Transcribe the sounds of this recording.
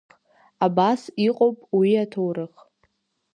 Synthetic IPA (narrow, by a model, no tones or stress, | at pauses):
abasiqʼowpʼwiatʰowɾɨχ